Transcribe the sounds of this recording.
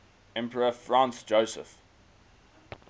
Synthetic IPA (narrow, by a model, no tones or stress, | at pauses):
ɛ̃mpəɹəfɹãˑnsd͡ʒəʊsə̰f